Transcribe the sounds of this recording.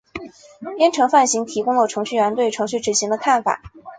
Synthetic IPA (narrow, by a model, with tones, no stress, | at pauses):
pjɛ˥nʈ͡ʂʰɤ˧˥ŋfa˥˩nɕi˧˥ŋt̪ʰi˧˥kʊ˥ŋlə˨ʈ͡ʂʰɤ˧˥ŋɕy˥˩ɥɛ˧˥nt̪we˥˩ɪʈ͡ʂʰɤ˧˥ŋɕy˥˩ʈ͡ʂɻ̩˨˩ɕi˧˥ŋd̪ə˧kʰa˥˩nfa̰˨˩˦